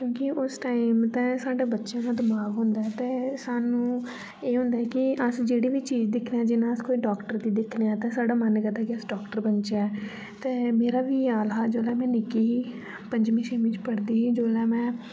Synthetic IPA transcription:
kjõːkɪʔʊsʈaːɪmt̪ɛ̃ːsaːɖeːbətːʃãːkãːd̪əmaːɡɦʊ̃nd̪aːɛt̪eːsaːnũː | eːɦʊ̃nd̪aːɛkɪəsd͡ʒeːɽiːʋiːt͡ʃiːd͡ʒd̪ɪkʰneãːd͡ʒɪnãːəskoːiːɖɔːkʈəɾd̪iːd̪ɪkʰneaːt̪ɛ̃ːsaːɖaːmənkəd̪aːkɪəsɖaːkʈəɾbənt͡ʃɛː | t̪eːmeːɾaːʋiːaːlɦaːd͡ʒoːlɛːmɛ̃ːnɪkiːɦiː | pəɲd͡ʒmĩːʃeːmĩt͡ʃpəɽd̪iːɦiːd͡ʒoːlɛːmɛ̃ː

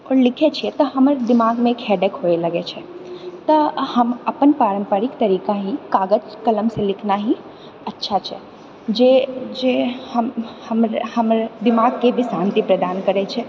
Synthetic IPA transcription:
ɔːɾlɪkʰet͡ʃʰiɛt̪əɦəməɾd̪ɪmaɡmẽkɦɛɖekɦoeləɡet͡ʃʰɛt̪əhəməpənpaːɾə̃mpəɾɪkt̪əɾiːkaɦikaːɡəd͡ʒkələmsẽlɪkʰnaɦi | ətːʃʰat͡ʃʰɛ | d͡ʒed͡ʒehəmhəmɾhəmɾd̪ɪmaɡ̚kebʱisãnt̪ipɾəd̪aːnkəɾɛt͡ʃʰɛ

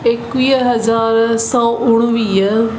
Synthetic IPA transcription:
ɪkʋiːɦəzaːɾsɔːʊɽ̃ʋiːə

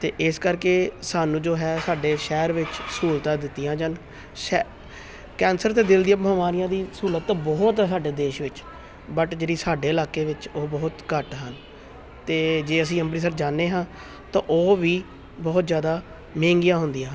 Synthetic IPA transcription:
t̪ḛːʔɪskəɾkeːsaːnũːd͡ʒoːɦɛːsaːɖeːʃɛːɾʋɪt͡ʃsuːlt̪ãːd̪ɪt̪ːijãːd͡ʒən | ʃɛ | kɛːnsəɾt̪eːd̪ɪld̪ijãːməmaːɾɪjãːd̪iːsuːlət̪ːbɔːt̪ɛːsaːɖeːd̪eːʃʋɪt͡ʃ | bəʈd͡ʒeːɽiːsaːɖeːɪlaːkeːʋɪt͡ʃoːbɔːʊt̪kəʈɦən | t̪eːd͡ʒeːəs̬ĩːəmbɾiːs̬əɾd͡ʒaːnːeːɦãː | t̪ã̰ːʔoːʋiː | bɔːt̪zjaːd̪aː | mẽːŋɡɪjãːɦʊnd̪ijãː

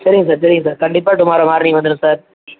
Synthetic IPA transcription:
sɐɾɪŋɡɐs̬aːɾsɐɾɪŋɡɐsaːɾkɐɳɖɪp̬ːaːʈʊmaːɾɐmaːɾnɪʋɐnd̪ɯɽɯ̃saːɾ

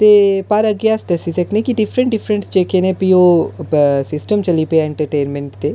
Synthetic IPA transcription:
t̪eːpɐɾəɡjasʈ̪ɛsisekʰnẽkiɖɪpʰɾə̃ɳʈ̚ɖɪpʰɾənʈsd͡ʒeːkʰenẽpioː | sɪsʈəmt͡ʃəlipeɛɳʈəɾʈeːnmẽɳʈt̪eː

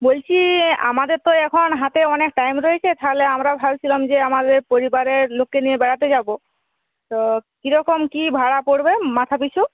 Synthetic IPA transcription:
bolt͡ɕʰia̰mad̪eɾt̪oɛkʰɔnɦat̪eɔnekʈajmɾoɦet͡ɕʰet̪ʰaleamɾabʱabt͡ʃʰilamd͡ʑeamad̪eɾpoɾibaɾeɾlokːenijebɛɽat̪ed͡ʑabo | t̪okiɾɔkɔmkibʱaɽapoɽbemat̪ʰapisu

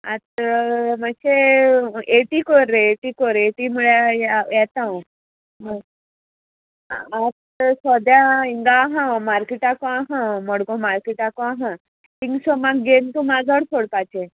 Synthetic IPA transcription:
at̪̚mase | eʈikoɾeeʈikoɾeʈimuɭajɛt̪ã | mə | at̪ | sɔd̪jaiŋɡaɦãmaɾkiʈakoaɦãməɽɡõmaɾkiʈakoaɦã | t̪iŋɡsɔmaɡɡent̪umad͡zʱəɽsʰoɽpat͡ɕe

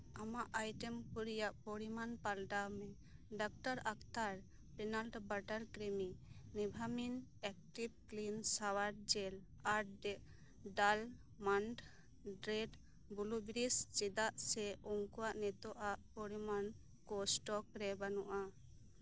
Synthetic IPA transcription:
amaʔajʈɛmkuɾijaʔpoɽimanpalɖamɛ | ɖak̚ʈaɾak̚t̪aɾ | pɛnalɖbaʈaɾkɾɛminibʱaminɛk̚ʈib̚klinsawaɾd͡ʒɛl | aɾɖɛʔ | ɖal | manʈ | ɖɾeɖ | bulubiɾist͡ʃid̪aʔsɛuŋkuwaʔnɛt̪ɔʔaʔpoɽiman | kosʈɔkɾɛbanuʔa

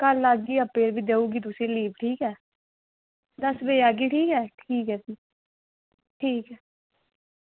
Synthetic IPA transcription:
kəlaːɡiːəbpeːɾbiːd̪eːuːɡiːt̪ʊsẽːliːbʈʰiːkɛː | d̪əsʋeːaːɡiːʈʰiːkɦɛːʈʰiːkɦɛːsiː | ʈʰiːkɛː

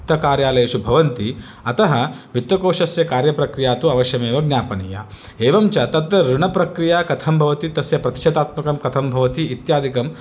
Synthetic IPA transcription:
t̪ːɐkaːɾjaːlɐjeːʃubʱɐʋɐnt̪i | ɐt̪ɐɦɐʋit̪ːɐkoːʂɐsjɐkaːɾjɐpɾɐkɾijaːt̪uɐʋɐʃjɐmeːʋɐɡnʲjaːpɐnija̰ | eːʋɐmt͡ʃɐt̪ɐd̪ɐɾuɳɐpɾɐkɾijaːkɐt̪ʰɐmbʱɐʋɐt̪it̪ɐsjɐpɾɐt̪i̥ʃɐd̪aːt̪mɐkɐmkɐt̪ʰɐmbʱɐʋɐt̪iːt̪jaːd̪ʱikɐm

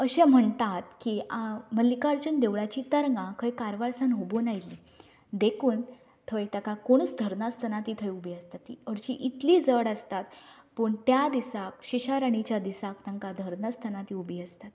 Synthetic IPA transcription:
əɕẽm̤əɳt̪at̪kiaməlːikaɾt͡ɕənd̪eʋɭat͡ɕiːt̪əɾŋɡãkʰəjkaɾʋaɭsanɦubonajli | d̪ekʰuːn | t̪ʰəjt̪jakakoɳ̃ət͡sd̪ʱəɾnast̪ʰənat̪iːt̪ʰəjubʱiəst̪at̪ːḭəɾt͡ɕiʔit̪liːd͡zəɽəst̪at̪pəɳt̪jad̪isakɕiɕaɾaɳ̃it͡ɕjad̪isak̚t̪ãŋkad̪ʱəɾnast̪ʰənat̪iːubiːəst̪at̪

